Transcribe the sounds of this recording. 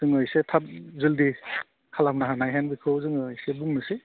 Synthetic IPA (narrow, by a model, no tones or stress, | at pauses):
z̥ɯŋɯjsetʰap̚zɯldi | kʰalamnaɦanajɦenbikʰɯwzɯŋɯjsebuŋmɯsi